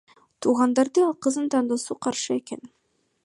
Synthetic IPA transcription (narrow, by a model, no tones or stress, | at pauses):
t̪ʰuːʁɑnd̪ɑɾd̪ɤɑlˠqɤ̆zɯnt̪ɑnd̪osuqʰɑɾʃɯeken